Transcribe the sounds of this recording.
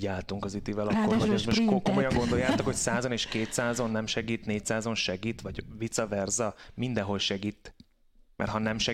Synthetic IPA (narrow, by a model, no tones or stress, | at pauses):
aːlt̪uŋkɒzit̪ivɛlɒkːoɒɛzmoʃkokomo̞jɒŋɡo̞nd̪o̞jaːt̪okhocsaːzoneːʃkeːt̪saːzo̞nːɛmʃɛɡiːt̪neːc̚saːzo̞nʃɛɡiːt̪ʋɒɟvit̪sɒvɛrzɒmind̪ɛɦo̞lʃɛɡiːt̪ː | mʔɛ̰rt̪hɒnɛmʃɛ